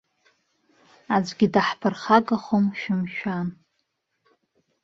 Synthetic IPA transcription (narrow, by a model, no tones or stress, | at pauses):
ad͡zʷɡʲɪdaħpʰɨrχaɡʼaχomʃᶣɪmʃᶣan